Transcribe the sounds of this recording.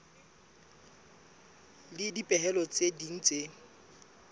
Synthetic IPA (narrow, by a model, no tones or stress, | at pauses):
lɪdipʼɛɦɛlɔt͡sʼedin̩t͡sʼe